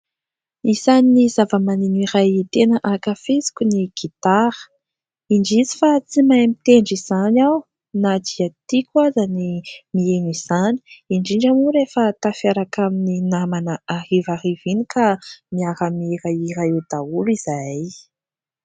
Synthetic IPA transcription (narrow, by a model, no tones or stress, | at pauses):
izaninizavəmaniniɾajit̪enəʔakafezi̥kʲuniɡ̥it̪aɾə̥ | iɳɖ͡ʐizi̥fat͡simajmit̪eɳɖ͡ʐiz̥anaw | nad̪iat̪ikwazanimieniz̥ani̥iɳɖ͡ʐiɳɖ͡ʐamuɾefət̪afiaɾakamininamanəahivaɦivinikʰamiaɾamiɾaiɾaed̪̥auliz̥aj